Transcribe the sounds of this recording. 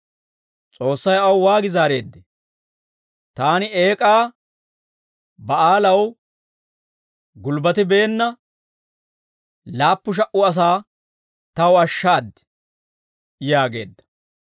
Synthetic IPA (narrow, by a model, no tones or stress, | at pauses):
t͡sʼo̞ːsːɐjɐwwaːɡɪzaːɾe̞ːd̪ːɛ | t̪aːnɪe̞ːkʼaː | bɐaːlɐw | ɡʊlbɐt̪ɪbe̞ːnːɐ | laːpːʊʃ̬ɐʔʊɐs̬aː | t̪ɐwɐʃːaːd̪ɛ̥ | jaːɡe̞̰ːd̪ːɐ̥